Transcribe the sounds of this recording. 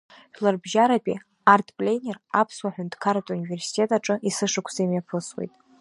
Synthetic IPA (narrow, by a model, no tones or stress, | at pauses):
ħᶣlarbʒaɾapʼḭ | artʰpʼlʲejnʲerapʰswaħʷᶣʊntkʰaɾatʼunive̞rsi̥tʰʼe̞tʼaʈ͡ʂʼɨʔisɨʂɨkʷʰz̥ajmjapʰɨswḛjtʼ